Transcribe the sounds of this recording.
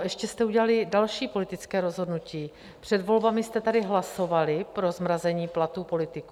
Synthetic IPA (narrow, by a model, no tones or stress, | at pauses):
ʔɛʃcɛst̪ɛuɟɛlalɪdalʃiːpo̞lɪt̪ɪt͡skɛːɾo̞zɦo̞dnuciː | pr̝̥ɛdvo̞lbamɪst̪ɛt̪adɪɦlaso̞valɪpɾo̞zmɾazɛɲiːplat̪uːpo̞lɪt̪ɪku